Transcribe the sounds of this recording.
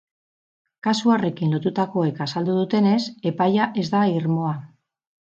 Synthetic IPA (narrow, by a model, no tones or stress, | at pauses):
kasuare̞kinlo̞t̪ut̪ako̞e̞kasald̪uð̞ut̪e̞ne̞se̞pajaʔe̞zd̪aiɾmo̞a